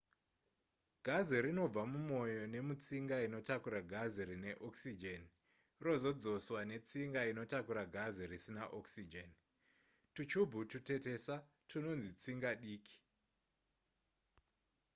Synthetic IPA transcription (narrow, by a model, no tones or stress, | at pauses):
ɡʱaziɾino̞b͡vamumo̞jo̞ne̞mut͡siŋɡaino̞takuɾaɡʱaziɾine̞ʔoksid͡ʒen | ro̞zo̞d͡zo̞swane̞t͡siŋɡaino̞takuɾaɡʱazirisinaʔoksid͡ʒen | tut͡ʃubʱutute̞te̞sa | tʰuno̞nzit͡siŋɡaɗiːkʰi̥